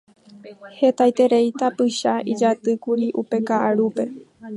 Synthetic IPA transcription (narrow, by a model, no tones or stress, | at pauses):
he̞t̪ajt̪e̞ɾe̞jt̪apɨʃaʔid͡ʒat̪ɨkuɾiʔupe̞kaʔaɾupe̞